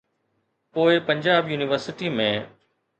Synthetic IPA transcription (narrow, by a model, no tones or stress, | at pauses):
poːɪpɐ̃ɲd͡ʑaːbjuːnɪʋəɾsɪʈimẽː